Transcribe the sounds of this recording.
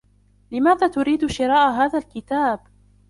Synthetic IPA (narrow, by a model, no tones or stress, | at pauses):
lɪmaːðaːt̪ʊɾiːd̪ʃɪɾˤɑːʔɦaːðalkɪt̪aːb